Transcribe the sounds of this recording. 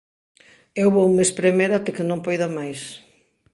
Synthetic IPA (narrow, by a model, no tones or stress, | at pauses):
ewβoumespɾemejɾat̪ɪkɪnõmpojðomajs